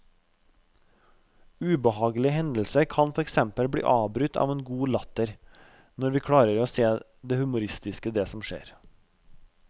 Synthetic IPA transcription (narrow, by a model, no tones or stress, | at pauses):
ʉːbəhɑːɡlɪəhɛnd̪lsəɾkʰɑnfɔɾɛksɛmpəlbɽḭːʔɑːbɾʉt̪ʰɑ̰ːʋeːnɡuːlɑt̪əɾ | nɔɾʋiːkʰɽɑːɾəɾoːseː | d̪eːhʉmʊɾɪst̪ɪskəd̪eːsɔmʃḛːɾ